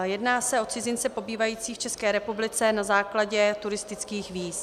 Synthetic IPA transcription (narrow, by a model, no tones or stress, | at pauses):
jɛdnaːsɛʔo̞t͡sɪzɪnt͡sɛpo̞biːvajiːt͡siːxt͡ʃɛskɛːɾɛpublɪt͡sɛnazaːklaɟɛt̪uɾɪst̪ɪt͡skiːxviːs